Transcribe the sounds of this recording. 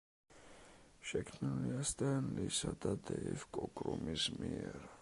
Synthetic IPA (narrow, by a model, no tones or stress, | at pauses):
ʃɛkʰmniliast̪ʼɛnlisad̪ad̪ɛifkʼɔkʼɾumismiɛɾ